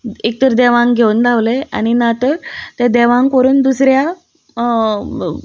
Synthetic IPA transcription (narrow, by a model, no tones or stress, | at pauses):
ek̚t̪əɾd̪ɛʋãŋɡɡʱeund̪ʱaʋlea̰ñinat̪əɾt̪ed̪ɛʋãŋkpəɾuːnd̪usɾja